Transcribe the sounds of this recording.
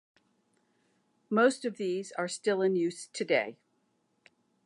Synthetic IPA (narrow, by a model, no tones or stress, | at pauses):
moʊstʌvðizə˞stɪlˠɨ̃njʉstʰɨdeɪ